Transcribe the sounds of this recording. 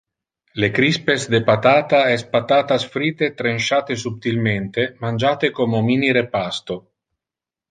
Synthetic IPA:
lekɾispesd̪epat̪aːt̪aɛspat̪aːt̪asfɾiːt̪et̪ɾenʃaːt̪esup̚t̪ilment̪emand͡ʒaːt̪ekomominiɾepast̪o

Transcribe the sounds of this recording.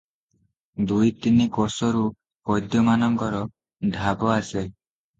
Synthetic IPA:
d̪ujt̪inikɔsɔɾu | kɔjd̪jɔmanɔŋkɔɾɔ | dʱabɔase

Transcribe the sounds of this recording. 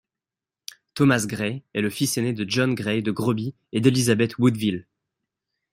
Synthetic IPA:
t̪ɔmasɡʁeɛləfisened̪əʒɔnɡʁɛd̪əɡʁɔbi | ed̪elizabɛt̪wud̪vil

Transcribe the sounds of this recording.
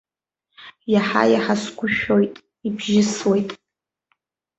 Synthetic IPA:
jaħa̰jaħaskʷʊʃᶣojtʼ | ibʒɪswe̞jtʼ

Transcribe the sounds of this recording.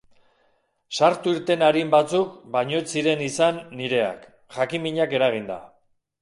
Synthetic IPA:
saɾt̪uiɾt̪e̞naɾimbat͡sukbaɲo̞jsiɾe̞nisanːiɾe̞a̰k | xakimiɲake̞ɾaɣ̞ind̪a̰

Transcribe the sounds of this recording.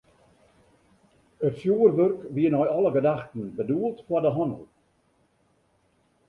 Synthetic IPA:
əfjuːərvɵrkviːənɔjɔlˠəɡədaxtn̩bəduːlˠtfwadəɦɔnə̰lˠ

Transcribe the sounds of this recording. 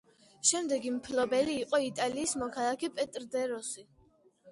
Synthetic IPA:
ʃɛmd̪ɛɡimpʰlɔbɛliːqʼɔit̪ʼaliːsmɔkʰalˠakʰɛpʼɛt̪ʼɾd̪ɛɾɔsi

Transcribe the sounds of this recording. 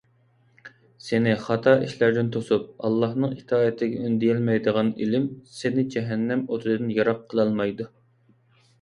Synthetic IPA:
senɪχɑt̪ʰɑiʃlæɾd̪ɪnt̪ʰosup̚ɑlˠːɑhnɨŋit̪ʰɑːət̪ʰɪɡʲɛynd̪ijɛlmɛjd̪əʁɑnilɪmsenɪd͡ʒɛɦɛnːɛmot̪ʰɨd̪ɨnjɑɾɑqʰːəlˠɑlˠmɑjd̪u

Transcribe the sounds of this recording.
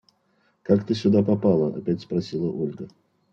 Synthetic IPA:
kakt̪əsʲʊd̪apɐpalˠəɐ̰pʲætʲspɾɐsʲilˠəʔolʲɡə

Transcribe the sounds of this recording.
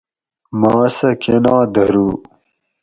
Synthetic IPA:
maːsɐkenãːd̪ɐɾuː

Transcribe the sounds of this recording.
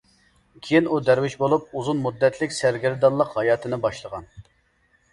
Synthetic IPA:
kʲʰejinud̪æɾwɪʃbolˠup̚uzunmud̪ːɛt̪ʰlɪkʲsæɾɡʲɪɾd̪ɑlˠːəqhɑjɑːt̪ʰɨnɨbɑʃlˠəʁɑn

